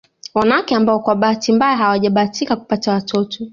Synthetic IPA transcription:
wanawakɛambaɔkwaɓaatimbajahawaʄaɓaːtikaku̥patawatʰɔtɔ

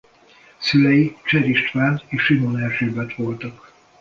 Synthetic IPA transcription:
sylɛjit͡ʃɛɾiʃt̪ʋaːnt̪eːʃʃinonɛrʃøːbɛt̪ʋo̞lt̪ɒk

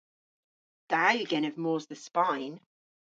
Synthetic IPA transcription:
d̥ajəɡɛñəvmɔːzðəspãɪ̃n

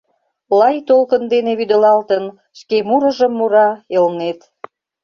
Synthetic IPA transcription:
lɑjt̪olkənd̪eneβyd̪ə̆lɑlt̪ən | ʃkemuɾə̆ʒəmːuɾɑelnet̪

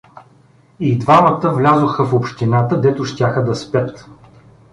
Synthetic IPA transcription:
id̪vamət̪əvlʲazoxəfopʃt̪inat̪əd̪ɛt̪ʊʃt̪ʲaxəd̪ɐspʲət̪

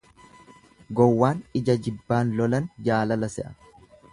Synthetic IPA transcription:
ɡɔwːaːnɪd͡ʒɐd͡ʒɪbːaːnlɔlɐnd͡ʒaːlɐlɐsɛʔɐ

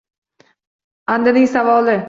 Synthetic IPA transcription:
and̪anɪŋʲsavɒlɪ

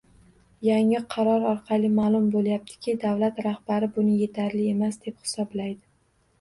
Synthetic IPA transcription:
jaŋɪqʰɑɾɒɾɒɾqʰɑlˠɪmaːlˠʊmbolˠjap̚t̪ʰɪ̥kʲʰɪd̪avlat̪ɾahbaɾɪbʊnɪje̞t̪ʰaɾlɪe̞masd̪e̞phɪ̥sɒblajd̪ɪ

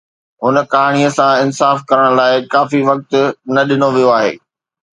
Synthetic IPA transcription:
ɦʊnəkaːɽ̃iəsãɪnsaːfkɐɾəɽ̃̆laːɪkaːfiʋɐk̚t̪̆nɐɗɪnoʋijoaːɦḛː

